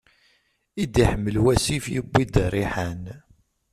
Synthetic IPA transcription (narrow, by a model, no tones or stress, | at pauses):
id̪iħəmːəlwæsifjəbʷːid̪rːiħæn